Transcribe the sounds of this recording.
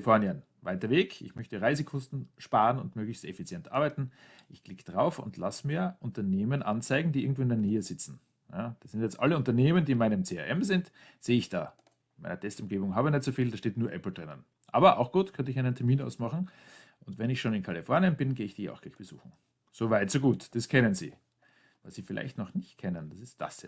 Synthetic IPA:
ɪfɔɐniən | vaɪtɐveːkʰɪ̰çmœçtəʁaɪzəkʰɔstn̩ʃpaːʁənʊ̰ntmøːɡlɪçstɛ̰fit͡sjɛntʔa̰ɐbaɪtn̩ | ʔɪçklɪkəd̥ʁaʊfʊ̰ntlasmiːɐʔʊntɐneːmənʔant͡saɪɡŋ̩d̥iːɪɐɡŋ̩tv̥oːɪndɛɐneːəzɪt͡sn̩ | jaːd̥asz̥ɪntjɛt͡stʔa̰ləʊntɐneːməndiːnmaɪnəmt͡seːa̰ʔɛmzɪnt | z̥eːəɪçd̥a̰ː | ma̰ɪnɐtʰɛstʊmɡeːbʊŋɦaːbənɛtz̥ofiːldaːʃteːtnuːɐʔɛpl̩d̥ʁɪnə̰n | ʔa̰ːbɐʔa̰ʊxɡ̥uːtkʰœntəɪçaɪnəntʰɛɐmiːna̰ʊsmaχn̩ | ʔʊntvɛnɪçʃoːnɪnkʰalifɔɐnjənbɪnɡeːɪçd̥iːjaʊxɡ̥laɪçb̥əz̥ṵːxŋ̩ | z̥oːvaɪtz̥oːɡuːtd̥askʰɛnənzḭː | vasz̥iːfɪla̰ɪçtnɔχnɪçt̚kʰɛnənd̥asɪst̚d̥a̰sɛ

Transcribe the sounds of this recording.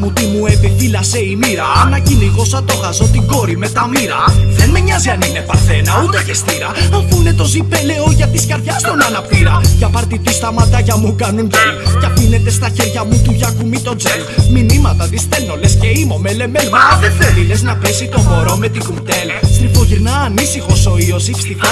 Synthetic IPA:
mut̪imuepiθilɐse̞imiɾɐnɐciniɣo̞sɐt̪o̞ɣɐzo̞t̪iɡo̞ɾime̞t̪ɐmiɾɐðenme̞ɲɐziɐninepɐɾθe̞nɐut̪eʝest̪iɾɐɐfune̞t̪o̞zipele̞oʝɐt̪iskɐɾðʝɐst̪o̞nɐnɐpt̪iɾɐʝɐpɐɾt̪it̪ust̪ɐmɐt̪ɐʝɐmukɐnundelcɐpine̞t̪e̞st̪ɐçe̞ɾʝɐmut̪uʝɐkumit̪o̞d͡zelminimɐt̪ɐt̪ist̪elno̞le̞sce̞imo̞me̞le̞melmɐðeθevile̞znɐpe̞sit̪o̞mo̞ɾo̞me̞t̪iɡuŋt̪e̞lsifo̞ʝiɾnɐːnisixo̞so̞io̞sifi̥st̪ixo

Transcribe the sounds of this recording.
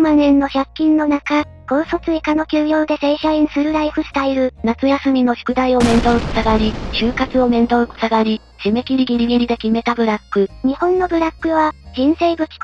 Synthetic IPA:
manẽ̞nːo̞çakʲːĩnːo̞naka | ɡ̥o̞ːso̞t͡sɨikano̞kʲɨːjo̞ːd̪e̞se̞ɕaĩɰ̃sɨɾɯ̟ɾaiɸɯ̟st̪aiɾɯ̟nat͡sɨjasɨmʲino̞çi̥kɯ̟d̪aio̞mẽ̞nd̪o̞ɯko̥saɡaɾʲiɕɨːkat͡sɨo̞mẽ̞nd̪o̞ɯko̥saɡaɾʲi | ɕime̞kʲiɾʲiɡʲiɾʲiɡʲiɾʲid̪e̞kʲime̞t̪abɯ̟ɾakːɯ̟ɲ̟ihõ̞nːo̞bɯ̟ɾakːɯ̟βad͡ʑĩɰ̃se̞ːbɯ̟kʲi̥k

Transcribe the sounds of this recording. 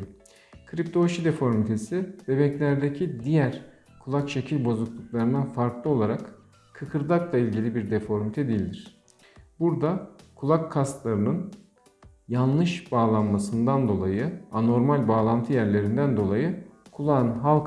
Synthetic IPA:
kʰɾip̚t̪ʰo̞ʃid̪efo̞ɾmit̪ʰe̞sib̪̥e̞bɛclʲæɾd̪ecʰid̪ijæɾ̥ | kʰulˠakt͡ʃʰe̞cʰilʲbo̞zuklˠuklˠaɾɯnd̪anfaɾklˠɯo̞lˠaɾak | kʰːɯkʰɯɾd̪aklˠailʲɟilʲibiɾd̪efo̞ɾmit̪ʰɛd̪ijilʲd̪iɾ̝̥ | buɾd̪akʰulˠakʰːast̪lˠaɾɯnɯn | janˠlˠɯʃbaːlˠanmasɯnd̪and̪o̞lˠajɯano̞ɾmalʲbaːlˠant̪ʰɯjæɾlʲe̞ɾind̪ænd̪o̞lˠajɯkʰulˠanɦalˠk

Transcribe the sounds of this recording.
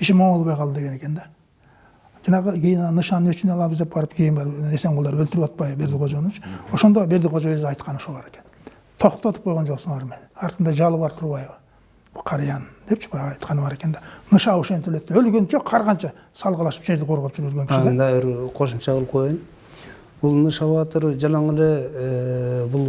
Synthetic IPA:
ɪʃɪmomolˠbɑjqʰɑlˠd̪əd̪e̞ɡee̞kʲe̞nd̪e | d͡ʒɑnɑʁəkʲʰejɪnnɑnɨʃɑnənɵt͡ʃɪneɑlˠɑbəzd̪e̞p̚bɑɾəpkʲʰejɪnbɑɾese̞ŋʁolˠɑɾølt̪ɪɾpwɑt̪̚pɑjəbe̞ɾd̪ɪqʰoʒonnt͡ʃwo̞ʃo̞nd̪obe̞ɾd̪ɪqʰoʒɑøzɑjt̪qɑnəʃulɑɾe̞kʲe̞n | t̪ʰo̞qt̪ot̪əp̚qʰojʁond͡ʒoqsənˠɑɾmenɑɾt̪ənd̪ɑʒɑlˠəβɑɾt̪ʰʊɾβɑjβə | bqʰɑɾjɑnd̪̥e̞pt͡ʃʰɪ̥bɑjɑʁɑjt̪qɑnɨbɑɾe̞ke̞nd̪e̥nɯʃɑoʃent̪ʰølø̞t̪ːɪølɡʲø̞nt͡ʃʰeqʰɑɾʁɑnt͡ʃɑ | sɑlˠʁɑlˠɑʃə̥pʒe̞ɾd̪ɪqʰo̞ɾʁop̚d͡ʒyɾølɡeŋkʰʲʃnend̪ɑbɪɾqʰo̞ʃumt͡ʃɑʁlˠp̚qʰo̞jun | bulˠnɯʃɑβɑt̪əɾd͡ʒɑlˠɑŋele | bʊlˠ

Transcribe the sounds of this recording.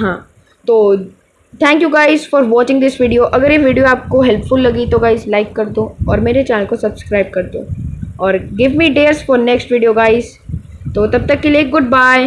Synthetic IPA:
ɦãː | t̪oː | t̪ʰɛ̃ŋkjuɡaɪzfɔːɾʋɔːt͡ʃɪ̃ŋd̪ɪsʋɪɖioʔɐɡəɾjeʋɪɖijoaːp̚koɦɛlpfʊlːɐɡit̪oɡaɪzlaɪkːɐɾd̪õɔːɾmeːɾet͡ʃɛːnəlkosɐbskɾaɪb̚kɐɾd̪õːɔːɾɡɪʋmiːɖeːɾzfɔːɾnɛksʈʋɪɖioɡaɪz | t̪oːt̪ɐb̚t̪ɐkːeliek̚ɡʊɖ̚baːɪ

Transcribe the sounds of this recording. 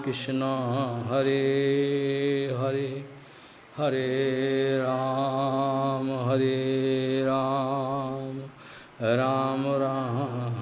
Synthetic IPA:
kɪʃnaɦɦɐɾe | ɦɐɾe | hɐɾe | ɾaː | mɦɐɾe | ɾaː | m | ɾaːmɾaːɦɦ

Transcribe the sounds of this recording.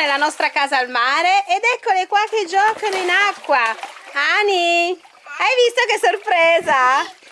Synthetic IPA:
nelːanɔst̪ɾakaːzaːlmaːɾeʔːd̪ɛkːolekwalk̟ed͡ʒɔːkoninakːwaani | ajvist̪okesːorpɾeːza

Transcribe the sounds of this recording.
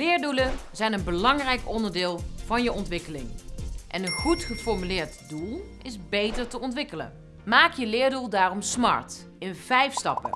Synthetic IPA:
lɪːɹdulənzɛjnənbəlɑŋrɛjkɔndəɹdɪːlˠvɑnjəɔntʋɪkəlɪ̰ŋʔɛnənχutχəfɔɹmylɪːɹtdulˠʔɪzbejtəɹtəɔntʋɪkələ̰ | maːkjəlɪːɹdulˠdaːrɔmsmɑ̰ɹt | ɪnvɛjfstɑ̰pə̰

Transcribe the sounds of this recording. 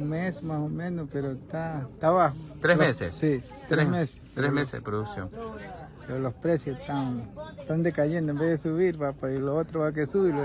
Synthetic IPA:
uŋmesmasomẽnospeɾot̪at̪aβahot̪ɾelesḛssi | t̪ɾesmese̥t̪ɾesmesḛðḛpɾoðuksjo̰ŋpɾolospɾesjoset̪aŋet̪and̪ekaʝẽnd̪oembeðesuβiɾβapailoot̪ɾoβak̬esuβiɾo

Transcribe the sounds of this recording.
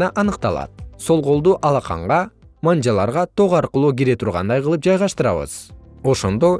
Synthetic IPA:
nɑʔɑnɯqt̪ɑlˠɑ̰t̪̚so̞lˠʁo̞lˠd̪uʔɑlˠɑqɑ̰ɴʁɑmand͡ʒɑlˠɑɾʁɑt̪ʰoʁɑɾqɯlˠuːɡiɾe̞t̪ʰuɾʁɑ̰nd̪ɑjqɯlˠɯp̚d͡ʒɑjʁɑʃt̪ɯɾɑ̰βɯ̰z̥o̞ʃo̞nd̪o̞

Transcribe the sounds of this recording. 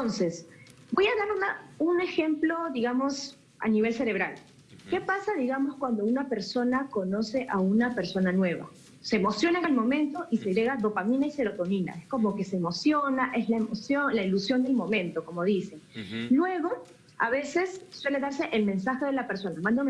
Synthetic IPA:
onse̞s | bo̞jaðaɾunaunexe̞mplo̞ðiɣamo̞s | a̰niβ̞e̞lse̞ɾe̞β̞ɾal | ke̞pasaðiɣamo̞skwand̪o̞unape̞ɾso̞nako̞no̞se̞ʔaunape̞ɾso̞nanwe̞βa̰ | se̞ːmo̞sjo̞nalmõ̞mẽ̞nt̪o̞ʔise̞ɣɾe̞ɣaðo̞pamĩnaise̞ɾo̞t̪o̞nina̰esko̞mo̞ke̞seːmo̞sjonaʔe̞zlaemosjo̞nlailusjo̞nd̪e̞lmõ̞mẽ̞nt̪o̞ko̞mo̞ðiseŋlwe̞ɣo̞ | aβe̞se̞sːwe̞le̞ðaɾse̞ʔelmẽ̞nsaxe̞ðelape̞ɾso̞namãnd̪om

